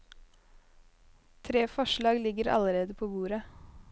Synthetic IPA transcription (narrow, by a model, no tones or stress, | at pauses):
t̪ʰɾeːfɔʃɭɑːɡlɪɡəɾɑ̰ləɾeːd̪əpʰoːbuːɾə